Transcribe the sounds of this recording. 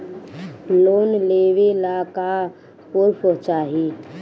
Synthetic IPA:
loːnleʋelaka | puɾpot͡ʃaːɦi

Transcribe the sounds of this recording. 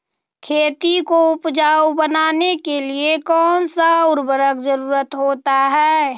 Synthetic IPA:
kʰeːt̪ikoʊpd͡ʒaːwbənaːnekeliekɔːnsaʊɾbəɾəkd͡ʒəɾuːɾət̪ɦoːt̪aɦɛː

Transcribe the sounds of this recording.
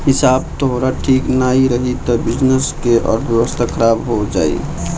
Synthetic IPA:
hisabt̪oɦoɾaʈʰiknaiɾəɦit̪ɔbid͡ʒnəskeʔɔ̰ːɾbjewəst̪ʰakʰəɾabɦod͡ʒaːḭ

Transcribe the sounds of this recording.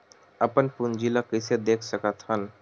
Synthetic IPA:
əpənpund͡ʒilakɪsed̪eːkʰsəkət̪ɦən

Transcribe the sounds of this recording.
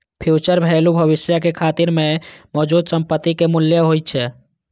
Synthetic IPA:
pʰjut͡ʃəɾbʱelubʱəʋɪsjəkekʰaːt̪iɾmemɔd͡ʒud̪səmpət̪ːikemʊljəɦojt̪̚t͡ʃʰɛ

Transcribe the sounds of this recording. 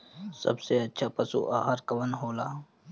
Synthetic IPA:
sə̰bseətːʃʰapəsṵʔa̰ɦaɾkəʋənɦoːla

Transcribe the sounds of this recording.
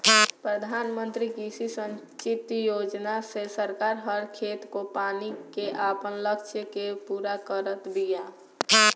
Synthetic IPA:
pɾəd̪ʱaːnmə̃nt̪ɾikisisə̃nt͡ʃɪt̪joːd͡ʒnasesəɾkaːɾɦəɾkʰeːt̪kopaːnikeʔapənləkt͡ʃʰjəkepuːɾakəɾət̪bʱijaː

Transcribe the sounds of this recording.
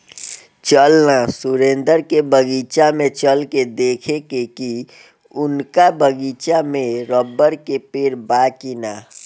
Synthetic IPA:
t͡ʃəlnasʊɾẽnd̪əɾkebəɡiːt͡ʃamẽt͡ʃəlked̪eːkʰekeki | ʊnkabəɡiːt͡ʃamẽɾəbːəɾkepeːɾbaːkina

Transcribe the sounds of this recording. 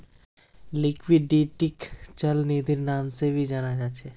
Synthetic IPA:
lɪkʰʋiɖːiːʈɪkt͡ʃəlniːd̪ʱɪɾnaːmsebʱid͡ʒaːnad͡ʒaːt͡ʃʰɛ

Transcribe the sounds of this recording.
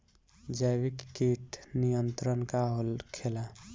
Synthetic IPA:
d͡ʒajbikːeʈnijənt̪ɾənkaɦolkʰela

